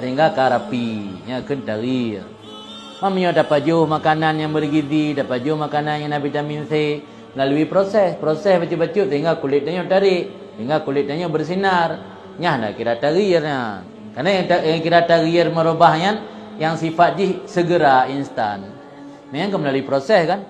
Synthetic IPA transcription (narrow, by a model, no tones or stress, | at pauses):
səɦiŋɡakaɾapiɲakənt̪aɣir | mamaɲodapad͡ʒuhmakananjaŋbərɡid̪idapad͡ʒuhmakananjanabit̪aminse | məlaluipɾosɛspɾosɛsbat͡ʃubat͡ʃuʔsəɦiŋɡakulɪt̪̚naɲot̪aɾɪʔ | səiŋɡakulɪt̪̚naɲobərs̬inar | ɲahna̰kiɾat̪aɣiərɲa | karnajaŋtajaŋkiɾat̪aɣiərməɾobahɲan | jaŋsifat̪̚d͡ʒihsəɡəɾainst̪a̰n | majaŋkaməlaluipɾosɛskan